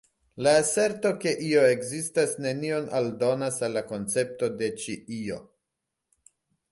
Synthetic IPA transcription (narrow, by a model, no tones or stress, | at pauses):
laːse̞ɾto̞ke̞ʔio̞e̞ɡzistasne̞nio̞nʔa̰ldo̞nasalːako̞nt͡se̞p̚to̞de̞t͡ʃiʔio̞